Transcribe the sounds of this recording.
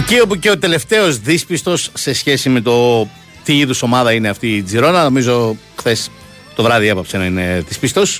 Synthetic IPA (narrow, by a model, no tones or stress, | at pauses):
cio̞puce̞ot̪e̞le̞ft̪e̞o̞zðispist̪o̞sːe̞sçe̞sime̞t̪o̞ | t̪iiðuso̞mɐðɐineɐft̪iːd͡ziɾo̞nɐno̞mizo̞ | xθe̞s | t̪o̞vɾɐðiepɐpsenɐine̞ðispist̪o̞s